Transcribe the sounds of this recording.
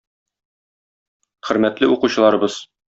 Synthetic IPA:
χɵ̆ɾmæt̪lɘuquɕɤ̆lˠɑɾɤ̆bɤz̥

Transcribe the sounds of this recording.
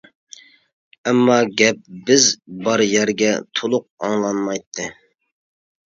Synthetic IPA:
ɛmːɑɡʲɛp̚bɪzbɑɾjɛɾɡʲɛt̪ʰolˠʊq̚ɑ̰ŋlˠɑnmɑjt̪ʰːɨ

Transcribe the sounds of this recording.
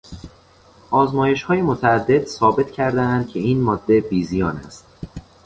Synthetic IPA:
ʔɒːzmɒːje̞ʃhɒːje̞mot̪ʰææd̪ːe̞d̪̥sɒːbe̞t̪ʰcʰæɾd̪eænd̪̥̚cʲʰe̞iːnmɒːd̪ːe̞biːzijɒːnæ̰st̪

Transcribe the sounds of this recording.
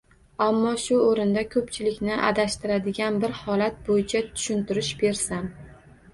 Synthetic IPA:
amːɒʃʊoɾɪnd̪akʰɵp̚t͡ʃʰɪlɪkʲnɪʔa̰d̪aʃt̪ɪɾad̪ɪɡʲanbɪɾhɒlat̪̚bojɪt͡ʃʰat̪ʰʊ̥ʃʊnt̪ɪɾɪʃbe̞ɾsam

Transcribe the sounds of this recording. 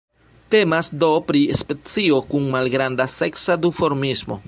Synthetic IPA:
te̞masdo̞pɾispe̞t͡sio̞kunmalɡɾandase̞ksad̪ufo̞ɾmismo̞̰

